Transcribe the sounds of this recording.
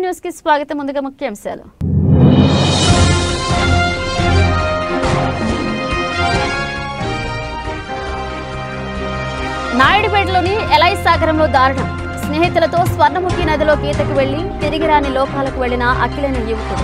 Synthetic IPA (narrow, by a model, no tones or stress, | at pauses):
njuːskisʋaːɡɐt̪ɐmːund̪uɡaːmukʰjɐɐmɐsa̰ːlṵ | naːjiɽipeːʈlo̞ːniɛlɐjsaːɡɐɾɐmlo̞ːd̪aːɾɐɳɐm | sneːɦit̪ulɐt̪o̞ːsʋɐɾnɐmukʰinɐd̪ilo̞ːkiːt̪ɐkuʋe̞ɭːit̪iɾiɡiɾaːnilɔːkaːlɐkuʋe̞ɭːinɐʔɐ̰kilɐnijuʋt̪u